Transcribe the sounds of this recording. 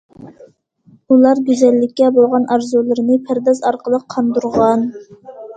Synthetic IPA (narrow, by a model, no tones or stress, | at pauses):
ulˠɑɾɡʲyzɛlːɪkʲːɛbolˠʁɑnɑɾzulˠɨɾɨnɨpʰæɾd̪ɑzɑɾqʰəlˠəqʰːɑnd̪uɾʁɑn